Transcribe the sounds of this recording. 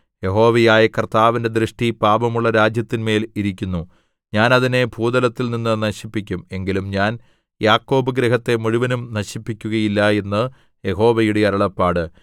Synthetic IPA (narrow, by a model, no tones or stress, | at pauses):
je̞ɦo̞ːʋɐjaːjɐkɐrt̪aːʋinde̞d̪ɾɨʂʈipaːbɐmuɭːɐɾaːd͡ʑjɐt̪ːinme̞ːliɾikʲːunːu | ɲaːnɐðine̞bʱuːd̪ɐlɐt̪ːilninːɨnɐɕipːikʲːume̞ŋɡilumɲaːn | jaːkːo̞ːbɐɡɾeɦɐt̪ːe̞muɻuʋɐnumnɐɕipːikʲːuɣɐjilːɐe̞nːɨ | je̞ɦo̞ːʋɐjuɽeɐɾɐɭɐpːaːɽɨ